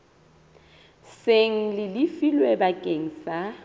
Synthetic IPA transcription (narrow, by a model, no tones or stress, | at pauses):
seŋ̩lɪlɪfilwebakʼeŋ̩sa